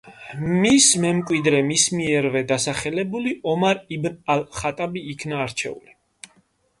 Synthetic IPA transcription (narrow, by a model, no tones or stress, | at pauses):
mismɛmkʼwid̪ɾɛmismiɛɾvɛd̪asaχɛlɛbuliʔɔmaɾibnalχat̪ʼabiːkʰnaːɾt͡ʃʰɛ̰ṵli